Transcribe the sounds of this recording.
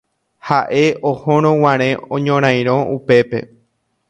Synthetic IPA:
haʔe̞ohõɾ̃õw̃ãɾ̃ẽõɲõɾ̃ãj̃ɾ̃õʔupe̞pe̞̰

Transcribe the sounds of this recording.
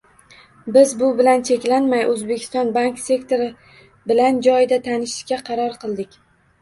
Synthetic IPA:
bɪzbʊbɪlant͡ʃʰe̞kʲlanmajʔɵzbekʲʰɪ̥st̪ɒnbaŋkse̞kt̪ʰo̞ɾɪ | bɪland͡ʒɒjd̪at̪ʰanɪʃɪ̥ʃkʲaqʰɑɾɒɾqʰɨlˠd̪ɪkʲ

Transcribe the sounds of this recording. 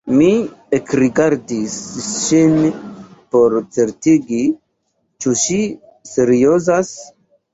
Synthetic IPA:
miekɾiɡaɾdisʃin | poɾt͡seɾtiɡi | t͡ʃuʃi | seɾiozas

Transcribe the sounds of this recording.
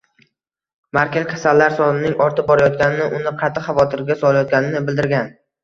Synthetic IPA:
maɾkʲazkʲʰḁsalːaɾsɒnɪnɪŋɒɾt̪ʰɪp̚bɒɾajɒt̪̚kʲanɪnɪʔʊnɪqʰɑt̪ʰːɪχɑvɒt̪ʰɪɾɡʲasɒlˠajɒt̪̚ɡʲanɪnɪbɪld̪ɪɾɡʲan

